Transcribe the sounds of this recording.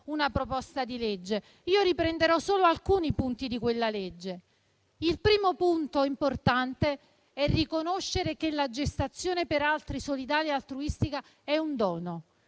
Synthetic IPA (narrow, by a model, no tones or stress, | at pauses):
unapɾopɔst̪ad̪iled͡ʒːe | iːoɾipɾend̪eɾɔsːoːloalkuːnipunt̪id̪ikwelːaled͡ʒːe | ilpɾiːmopunt̪oimport̪ant̪e | ɛrːikonoʃːeɾekelad͡ʒest̪at̪sːjoːnepeɾalt̪ɾisolid̪aːlialt̪ɾuist̪ika | ɛund̪ɔːno